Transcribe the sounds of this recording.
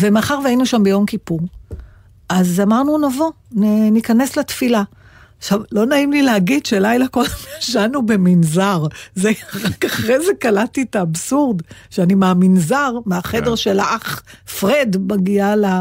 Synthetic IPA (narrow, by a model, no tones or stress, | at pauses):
vemaχaʁveainuʃambejo̞mkipuʁ | ʔazamaʁnunavo̞ | nenikane̞slatfila | χʃavlo̞naimlileaɡidʃelajlakodemjaʃanubeminzaʁzeʁakaχʁejzekalatitaːbsuʁd̪ʃeanimaːminzaʁmeaχede̞ʁʃelaʔaχfʁedbaɡiala